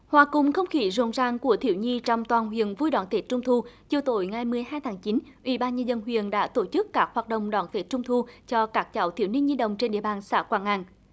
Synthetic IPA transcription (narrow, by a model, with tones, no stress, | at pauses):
hwaː˨˩kʊ˨˩ŋ͡mxə˧wŋ͡mxi˧˨˦zo̰˧˨˦nzaː˧ŋku˧˩ət̪ʰḭ˧˩əwɲi˧t͡ɕɔ˧wŋ͡mt̪waː˨˩nɦwḭ˧˨ənvu˧jɗwaː˧˩˦nt̪ʰe˨˩˥t͡ɕʊ˧ŋ͡mt̪ʰu˧t͡ɕi˨əwt̪o̰˧˨˦jŋa˨˩jmɨ˧əjɦaː˧jt̪ʰaː˨˦ŋt͡ɕi˨˦nʔwḭ˧˩˦ɓaː˧nɲə˧zə˧nɦwḭ˧˨ənɗa̰ː˧˥t̪o˧˩t͡ɕɨ˦˥kːaː˦˥k̚hwaː˨˩t̚ɗə̰˧˨wŋ͡mɗwaː˧˩nt̪ʰe˧˩t͡ɕʊ˧ŋ͡mt̪ʰu˧t͡ɕɔ˧kaː˦˥k̚t͡ɕa̰˧˨˦wt̪ʰḭ˧˩əwni˧əŋɲi˧ɗə̰˧˨wŋ͡mt͡ɕe˧nɗḭ˧˨əɓaː˨˩nsa̰ː˧˩kwaː˧˩nʔa˧˩ŋ